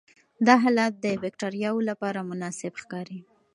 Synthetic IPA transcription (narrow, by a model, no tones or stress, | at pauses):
d̪ɑɦɑlat̪̚d̪əbɪk̚ʈaɾijɑwolapɑɾamʊnɑsɪbxkɑɾi